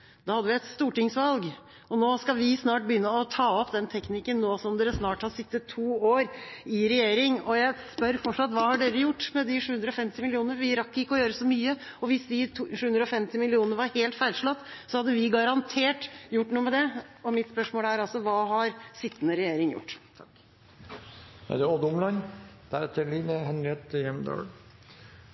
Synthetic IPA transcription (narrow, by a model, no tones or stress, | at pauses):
d̪̥ɑːhɑd̪ːəʋɪɛt̪st̪uːʈɪŋsʋɑlɡ | ɔnoːskɑʋɪsnɑːʈ̚bəjʏnːəɔt̪ʰɑːɔpd̪ɛnt̪ʰɛknɪkːənːoːsɔmd̪eːɾəsnɑːʈhɑsɪt̪ːət̪ʰːuːoːɾɪɾɛjeːɾɪŋɔjæɪspœɾfɔʈʂɑt̪ʋɑːhɑɖeːɾəjʊʈːmɛd̪ɪʂʉːʉnd̪ɾɔfɛmt̪ɪmɪlɪuːnəɾʋɪɾɑkːəɪkːəɔjøːɾəsɔmyːə | ɔʋɪsd̪ɪʂʉːʉnd̪ɾɔfɛmt̪ɪmɪlɪuːnəəɾʋɑɾheːlt̪fæɪlʂlɑt̪ːsɔhɑd̪ːəʋɪɡɑɾɑnt̪ʰeːʈjʊʈːnuːəmɛd̪ɛɔmɪt̪spœʂmoːlæɾɑlsɔʋɑːɦɑɾsɪt̪ːənəɾɛjeːɾɪŋjʊ̰ʈː | æ̰d̪ɛod̪ʊmlɑnd̪̥æɾɛt̪ʰːəliːnəɦɛnɾɪɛt̪jɛmd̪ɑ̰ːl